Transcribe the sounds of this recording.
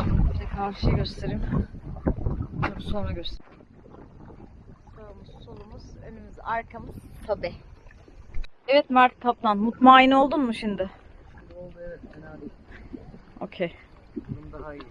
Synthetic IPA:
ɛkʰaɾʃɯjɟøst̪ʰe̞ɾim | oɾusonɾaɟøst̪ʰeɾi | soɾumuzsolˠumuz̥ønymyzaɾkʰamɯz̥t̪ʰabi | ɛvɛt̪maɾt̪t̪ʰːap̚t̪ʰanmut̪maːjino̞lˠd̪unmuʃind̪ɪ | oɛ | o̞̰cʰej | und̪a

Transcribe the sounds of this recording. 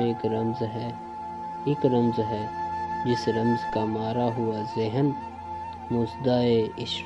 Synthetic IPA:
eːkɾɐmzɦɛː | ɪkɾɐmzɦɛːd͡ʒɪsɾɐmzkamaːɾaɦʊazɪɦən | mʊːsd̪aːeɪʃ

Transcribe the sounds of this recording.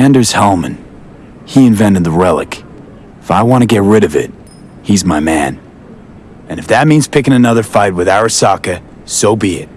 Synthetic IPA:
æ̃ndə˞z̥hɛlˠmɨ̰̃n | hiɨ̃ɱvɛ̃ñɨd̪̚ðəɹɛlˠɨ̰k | ɪfaɪwɑ̃ɾ̃ɨɡɛt̚ɹɪɾʌvɪ̰t̚ | hizmaɪmæ̰̃n | ɨ̃nɨfðɨt̚mĩnz̥pʰɪkɪ̃ŋɨnʌðə˞faɪt̚wɨðæɨsɑkɨ | soʊbiɪ̰t̚

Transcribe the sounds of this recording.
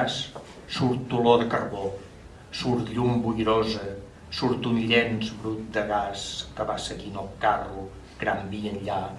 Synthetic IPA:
s | suɾt̪ːuloðəkərβo | suɾt̪ʎumbuʎɾozə | suɾt̪uniʎɛnzβɾut̪̚d̪əɣaskəβasəɣinəlˠkaru | ɣ̥ɾambiənʎa

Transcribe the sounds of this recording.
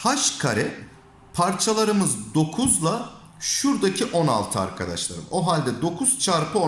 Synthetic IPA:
haʃkʰaɾɛ | pʰaɾt͡ʃʰalˠaɾɯmɯzd̪o̞kʰuzlˠa | ʃuɾd̪acʰiʔo̞na̰lˠt̪ʰɯa̰ɾkʰad̪a̰ʃlˠa̰ɾɯ̰mo̞ɦalʲd̪ɛd̪o̞kʰuz̥t͡ʃʰaɾpʰɯo

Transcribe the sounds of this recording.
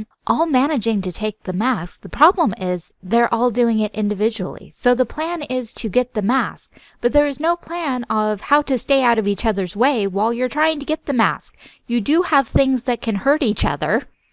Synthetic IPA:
ʔɔlˠmæñɨd͡ʒɪ̃ŋtɨtʰeɪk̚ðɨmæsk̚ðəpʰɹ̥ɑblə̃mɪz | ðə˞ʔɔlˠdʉɪ̃ŋɪɾʔɪ̰̃ndɨvɪd͡ʒɨl̩ˠḭsoʊðəpʰl̥æ̃nɪz̥tʰɨɡɛt̪̚ðɨmæsk̚ | b̥ʌt̪̚ðə˞ɨznoʊpʰl̥æ̃nʌv̥haʊɾɨsteɪaʊɾʌvit͡ʃʌðə˞zweɪwaɪlˠjə˞tʰɹ̥aɪɪ̃ŋtʰɨɡɛt̪̚ðɨmæ̰sk̚ | jɨdɨəv̥θɪ̃ŋzðɨt̚kʰɨ̃nhɜ˞ɾit͡ʃʌ̰ðə̰˞

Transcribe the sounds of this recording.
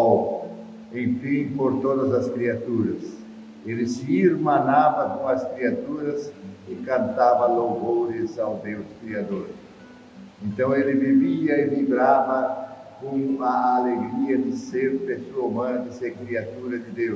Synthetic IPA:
ẽŋfĩŋpoɾt̪oðɐzɐskɾiat̪uɾɐs | elɪsiɾmãnaβɐkũŋɐskɾiat̪uɾɐsɪkãnt̪avɐlovoɾɪzawd̪ewskɾiad̪oɾ | ẽnt̪ɐ̃w̃elɪbibiɐivibɾaβɐ | kũŋumaːleɡɾiɐd̪ɪseɾpesomãɾd̪ɪseɾkɾiat̪uɾɐd̪ɪd̪ew

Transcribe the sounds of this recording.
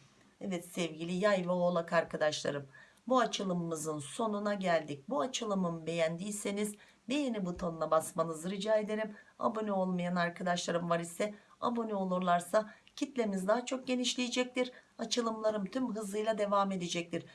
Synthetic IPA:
ɛvɛt̪sɛvɟilʲijajvɛolˠakʰaɾkʰad̪aʃlˠa̰ɾɯm | buat͡ʃʰɯlˠɯmːɯzɯnso̞nunaɟælʲd̪ic̚ʲbuat͡ʃʰɯlˠɯmɯnbe̞jænd̪iːse̞niz | bejenibut̪ʰonlˠabasmanɯzɾɯd͡ʒaːe̞d̪e̞ɾʲima̰bo̞nyo̞lˠmajanaɾkʰad̪aʃlˠaɾɯmvaɾisɛ | a̰bo̞nʲyo̞lˠuɾlˠaɾsacʰit̪lʲe̞mizd̪aːt͡ʃʰo̞k̚ɟe̞niʃlʲijid͡ʒɛc̚t̪ʲiɾat͡ʃʰɯlˠɯmlˠaɾɯmt̪ʰymɦɯzlˠɯjlˠad̪e̞vaːme̞d̪ed͡ʒɛc̚t̪ʲiɾ̥

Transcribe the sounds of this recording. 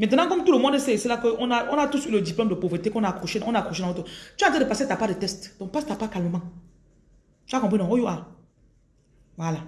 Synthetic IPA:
mɛ̃tɔnãkɔmtulomɔ̃deseselakəʔɔ̃naɔ̃natusilodiplɔmdəpovetekɔ̃nakoʃenɔ̃nakoʃenãotot͡ʃt̬edəpasetapadətɛstdɔ̃pastapakalməmãŋ | t͡ʃuakɔ̃p̬enɔ̃ojoʔa | wala

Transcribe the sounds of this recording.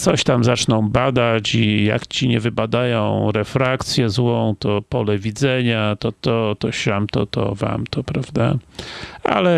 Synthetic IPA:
t̪sɔɕt̪amzat͡ʂnɔ̃w̃bad̪at͡ɕija̰kt͡ɕiɲɛvɘbad̪ajɔ̃w̃ɾɛfɾakt̪sʲjɛzwɔ̃w̃t̪ɔpɔlɛvʲid̪zɛɲat̪ɔt̪ɔt̪ɔɕamt̪ɔt̪ɔ̰va̰mt̪ɔpɾavd̪a | a̰lɛ

